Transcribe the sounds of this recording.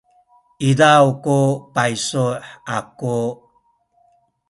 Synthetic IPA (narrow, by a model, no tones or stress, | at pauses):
idawkupajsuħaku